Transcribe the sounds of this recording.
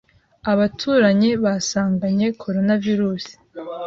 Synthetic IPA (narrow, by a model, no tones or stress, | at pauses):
aβatʰuːɾaɲeβasaːŋɡaɲe̞kʰo̞ɾo̞naviɾuːsi̥